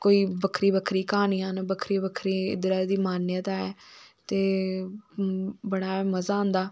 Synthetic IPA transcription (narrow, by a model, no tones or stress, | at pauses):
koːiːbəkʰɾiːbəkʰɾiːkaːniːãːnbəkʰɾiːbəkʰɾiːɪ̰d̪ɾaːd̪iːmaːnːãt̪aːɛːt̪eː | bəɽ̃aːɛːməzaːõːnd̪aː